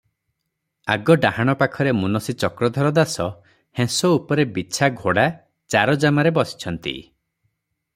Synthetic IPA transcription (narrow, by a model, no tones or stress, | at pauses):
aɡɔɖahaɽ̃ɔpakʰɔɾemunɔsit͡ʃɔkɾɔd̪ʱɔɾɔd̪asɔ | hẽsɔupɔɾebiːt͡ʃʰaɡʱoɽa | t͡ʃaɾɔd͡ʒamaɾebɔsi̥t͡ʃʰɔnt̪ḭ